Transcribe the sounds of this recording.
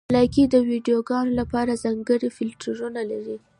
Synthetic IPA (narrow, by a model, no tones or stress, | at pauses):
lɑkid̪əwiɖijoɡɑnolapɑɾazɑŋɡəɽifɪlʈaɾunalaɾi